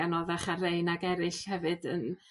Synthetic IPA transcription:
anɔðaχarejnaɡɛɾɨɬhɛvɨdən

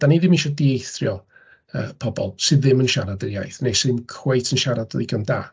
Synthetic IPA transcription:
d̥aniðɪmɪnʃɔdiejθrjɔ | ə̰ːpʰɔbɔlˠsɨððɪmənʃaɾadərja̰jθnejsɨmkʰwejtʰənʃaɾad̥ɔ̰ðiɡənda̰ː

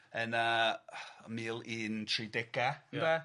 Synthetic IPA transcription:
ənə | miːlˠiːntʰridɪɡ̥abɛ

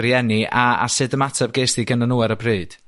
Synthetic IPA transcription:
ɾjɛniʔaa̰sɨdəmatʰɛb̚ɡeːsdiɡənənuɛɾəbrɨːd̥

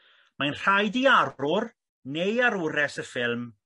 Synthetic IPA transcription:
manr̥ajdiarrʊr | nejaɾʊɾɛsəfɪlˠm

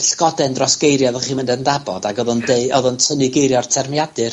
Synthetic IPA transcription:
ɬɡ̥ɔdɛndrɔsɡ̥ejrjaðəχiːməndɛndabɔdaɡɔðʊndeɨɔðʊntʰənɨɡejɾjɔrtʰɛrmjadɨr

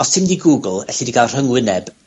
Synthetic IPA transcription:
ɔsɪmdiɡuːɡəlˠɛɬidiɡalˠr̥əŋwɪnɛb̥

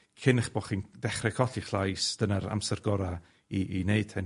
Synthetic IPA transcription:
kʰɪnχb̥ɔːχiːndɛχrɛkʰɔθiχlˠajsd̥ənaɾa̰msɛrɡɔɾa | iːneɨd̥ʰɛn

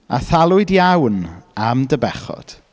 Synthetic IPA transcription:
a̰θalˠʊɨdjawnamdəbɛχɔ̰d̥

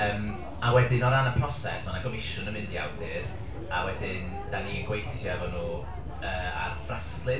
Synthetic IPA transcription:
əːm | awɛdɪnɔɾanapʰrɔsɛ̰smanaɡɔmɪʃʊnəmɪndja̰wðɨr | awɛdɪn | d̥aniəɡwejθjavɔnuː | əːa̰rvraslˠɨ

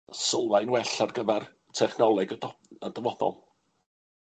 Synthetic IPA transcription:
səlˠvajnwɛɬarɡəvɛr | tʰɛχnɔlˠɛɡədəvɔθɔ̰lˠ

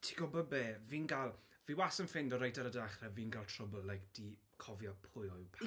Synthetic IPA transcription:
tʰi̥ɡ̥ɔbɔbeːviːnɡalˠ | viwasənfɪndɔɾajtʰaɾədaχrɛviːnɡalˠtʰrɔbəlɛɡd̥i | kʰɔvjɔpʰʊjɔɨwpʰ

